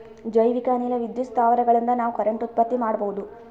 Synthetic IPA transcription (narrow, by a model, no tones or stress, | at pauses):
d͡ʒɐjʋikaːnilɐʋid̪jut̪st̪ʰaːʋɐɾɐɡɐɭind̪ɐnaːʋukɐɾeɳʈut̪̚pɐt̪ːimaːɽboud̪u